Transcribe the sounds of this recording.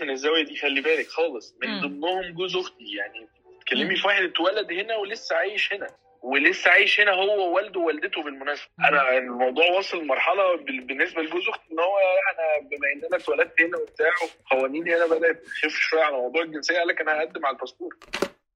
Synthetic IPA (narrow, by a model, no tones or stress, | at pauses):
menezːæwæjæd̪iːxælːibæːlekxɑːlesˤmend̪omːohomɡozoxt̪ijaʕni | t̪kælːemifwæħelet̪wælæd̪henæwelesːæʕaːjeʃhenæ | welesːæʕaːjeʃhenæɦowːæwæld̪owæld̪et̪obelmonæːsæ̥bæʔænæenːelmɑwd̪ˤuːʕwɑsˤellmɑɾˤħɑlɑbebenːesbæleɡozoxt̪ʔenːhowːæææʔænæbemæʔenːʔænæt̪wælæd̪̚t̪henæbet̪aːʕoxæwæniːnhenæbæd̪æt̪xefʃæʕalmɑwd̪ˤuːʕelɡensejːæʔælːækænhæʔæd̪ːemʕalæt̪ɑst̪uːɾˤ